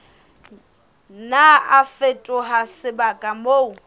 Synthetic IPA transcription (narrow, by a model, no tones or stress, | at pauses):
naafetʼʊɦasɪbakʼamou